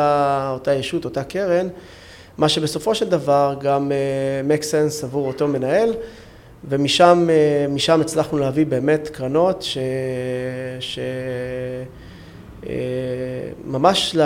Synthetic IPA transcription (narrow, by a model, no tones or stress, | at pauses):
aotajeʃuto̞takeʁe̞n | maʃe̞beso̞fo̞ʃe̞ld̪avaʁɡamemeksensavuʁo̞to̞me̞nae̞l | ve̞miʃameːiʃamet͡slaχnuleavibe̞ːme̞tkʁano̞tʃe | ʃe | ḛ | mamaʃl